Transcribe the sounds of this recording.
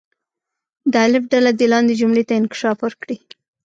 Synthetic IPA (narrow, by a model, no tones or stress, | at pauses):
d̪əalɪbɖalad̪elɑnd̪ed͡ʒumlet̪aɪnkɪ̥ʃɑfwəɾkɽi